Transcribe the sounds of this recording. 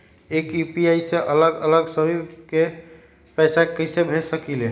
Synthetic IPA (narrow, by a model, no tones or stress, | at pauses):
ekjupiajseʔələɡələɡsəbʱike | pəjsakəɪsebʱesəkile